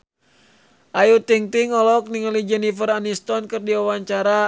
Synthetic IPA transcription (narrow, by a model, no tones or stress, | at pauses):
ʔajut̪iŋt̪iŋɔlɔk̚niŋalid͡ʒɛnifəranist̪ɔnkɨrdiawaɲt͡ʃaɾa